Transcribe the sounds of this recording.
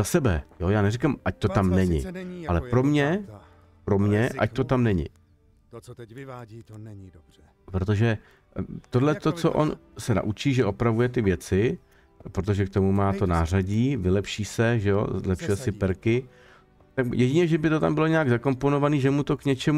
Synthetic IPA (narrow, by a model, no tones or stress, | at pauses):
zasɛbɛjojaːnɛrɪkamʔac̚t̪o̞t̪amnɛɲɪ̰alɛpɾo̞mɲɛ | pɾo̞mɲɛʔa̰c̚t̪o̞t̪amnɛɲɪ̰ | pɾo̞t̪o̞ʒɛ | t̪o̞dlɛt̪o̞t͡so̞̰ʔo̞̰nsɛna̰ʔut͡ʃiːʒɛʔo̞pɾavujɛt̪ɪvjɛt͡sɪ | pɾot̪o̞ʒɛk̚t̪o̞mumaːt̪o̞naːr̝aɟiːvɪlɛpʃiːsɛʒɛo̰zlɛpʃujɛsɪpɛɾkɪ | t̪akjɛɟɪɲɛʒɛbɪt̪o̞t̪ambɪloɲɛjaɡzako̞mpo̞no̞vaniːʒɛmut̪o̞kɲɛt͡ʃɛm